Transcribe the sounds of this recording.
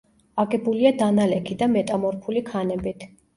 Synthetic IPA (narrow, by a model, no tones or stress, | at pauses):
aɡɛbuliad̪analɛkʰid̪amɛt̪ʼamɔɾpʰulikʰanɛbit̪ʰ